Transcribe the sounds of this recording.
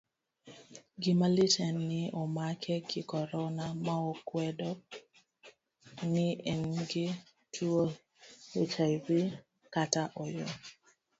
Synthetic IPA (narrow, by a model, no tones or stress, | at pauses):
ɡɪmalɪtʰɛnːɪɔmakʰɛɡɪkɔɾɔnamaɔkwɛdɔ | nɪʔɛnɡɪ | tʰuo | ekʰajbɪ | kataʔɔjo